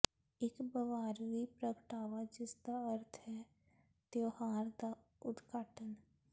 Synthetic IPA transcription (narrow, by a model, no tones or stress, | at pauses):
ɪkbəʋaːɾwipɾəkʈaːwad͡ʒɪsd̪aəɾt̪ʰɦɛ | t̪johaːɾd̪a | ʊd̪ɡaːʈən